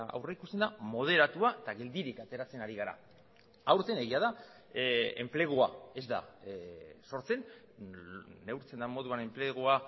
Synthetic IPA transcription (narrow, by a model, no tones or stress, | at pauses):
a̰wreikust̪end̪amo̞ð̞e̞ɾat̪uaet̪aɣe̞ld̪iɾikat̪e̞ɾat͡se̞naɾiɣ̞aɾa̰ | awɾt̪e̞ne̞ɣ̞iaða | e̞̰mple̞ɣ̞uae̞zd̪a̰ | so̞ɾt͡se̞n | ne̞wɾt͡se̞nd̪amo̞ð̞uane̞mple̞ɣua